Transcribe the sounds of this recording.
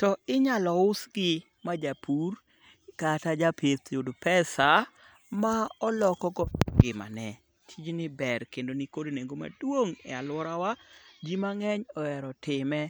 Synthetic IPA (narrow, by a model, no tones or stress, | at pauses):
tɔɪɲalɔʊsɡɪ | mad͡ʒapʰur | katad͡ʒapʰetjodpɛsa | maɔlɔkɔkɔɡɪma̰nɛ | tʰid͡ʒnɪbɛɾkendonɪkodoneŋɡoma̰dwoŋɛ̰alwɔɾawad͡ʒimaŋɛɲɔɛɾɔtɪmɛ